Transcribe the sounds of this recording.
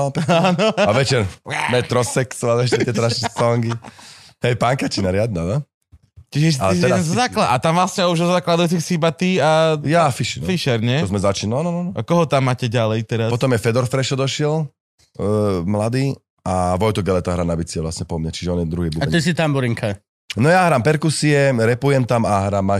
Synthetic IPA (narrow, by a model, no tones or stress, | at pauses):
panɔaʋɛt͡ʃɛɾmɛt̪ɾɔsɛksɔaɛʃɛɪɛt̪ɔnaʃɛsɔŋɡihɛjpaŋkat͡ʃinaɾɪad̪nanɔ | t͡ʃiʒɛsalɛisɛɾaɛnzɔzaklaat̪amʋlasɲɛuʒɔzaklad̪ajuːt͡sixsibat̪iajafiʃinfiʃɛɾɲɛɔzmɛzat͡ʃinɔnɔnɔnɔkɔɦɔt̪amːaːcɛɟalɛjt̪ɛɾaspɔt̪ɔmjɛfɛd̪ɔɾfɾɛʃɔd̪ɔʃɪɛl | mlad̪iː | aʋɔjt̪ɔɡɛlɛt̪aɦɾanabit͡siɛʋlasɲɛpɔmɲat͡ʃiʒɛɔnjɛd̪ɾuɦiːbubat̪is̬it̪ambuɾiŋkʰa | nɔjaɦɾaːmpɛɾkusiɛɾɛpujɛmt̪amaɦɾaːmːa